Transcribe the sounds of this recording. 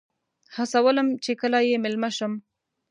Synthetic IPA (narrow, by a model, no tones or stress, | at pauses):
hasawələmt͡ʃekəlajemɪlmaʃəm